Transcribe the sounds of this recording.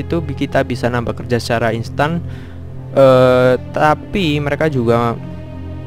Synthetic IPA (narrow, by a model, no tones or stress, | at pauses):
it̪ubkit̪abisanampakərd͡ʒasə̥t͡ʃaɾainst̪an | ʔət̪apiməɾekad͡ʒuɡa